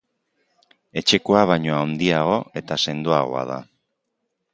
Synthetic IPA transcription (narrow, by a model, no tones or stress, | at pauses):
e̞t͡ʃe̞koaβ̞ajɲo̞awnd̪iaɣ̞o̞e̞t̪ase̞nd̪oaɣ̞o̞̰a̰ð̞a̰